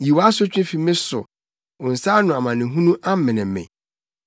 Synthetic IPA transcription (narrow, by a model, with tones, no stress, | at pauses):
ji˨wa˦sʊ˦t͡ɕᶣɪ̃˦fi˨mɪ̃˦sʊ̰˨ | ʊ̃˨n̩˨saː˦nʊ̃˨a˨mã˨nɪ̃˨ɦũ˦nũ˦ʔa˦m̩˦mɪ̃˨nɪ̃˨m˦mɛ̰̃˨